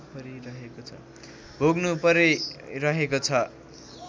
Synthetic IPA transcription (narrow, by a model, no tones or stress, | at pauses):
pʌɾiɾʌɦekot͡sʰʌ̰ | bʱoɡnupʌɾeɾʌɦekot͡sʰʌ